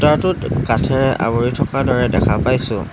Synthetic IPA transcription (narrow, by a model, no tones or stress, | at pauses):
taɹtʊtkatʰɛɹɛʔa̰boɹitʰɔkadɔɹɛdɛ̰kʰapajsʊ̰̃